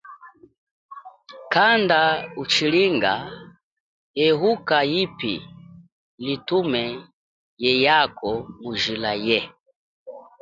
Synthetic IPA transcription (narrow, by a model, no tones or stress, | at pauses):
kandaut͡ʃiliŋɡa | ɛɦukajipḭ | litumɛ | jɛjakɔmuʒilajɛ